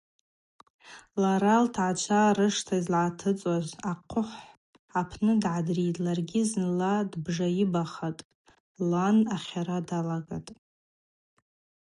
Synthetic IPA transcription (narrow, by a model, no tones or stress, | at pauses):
laɾaltʰʕat͡ʃʷʰarɨʂtʰazlʕatʰɨt͡sʼazaqʷʰʊħʷ | apʰnɨdʕadritʼlarɡʲɪznɨladbʐajibaχatʼ | lanaχʲaɾadalaɡa̰tʼ